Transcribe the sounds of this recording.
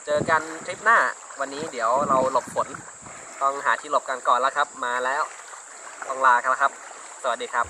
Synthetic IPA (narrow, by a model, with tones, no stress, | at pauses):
t͡ɕɤː˧ka˧nt̪ʰɾi˦˥p̚naː˥˩wa˧nːiː˦˥di˩˦əwɾa˧wlo˨˩p̚ʰːo˨˩˦n | t̪ɔ˥˩ŋɦaː˩˦t̪ʰiː˧˩lo˨˦˩p̚ka˧nkɔː˨˩nla˦˥kʰa˦˥p̚maː˧lɛː˦˥w | t̪ɔ˧˩ŋlaː˧kla˧˥kʰa˦˥p̚ | su˨˩˦diː˧˩kʰa˦˥p̚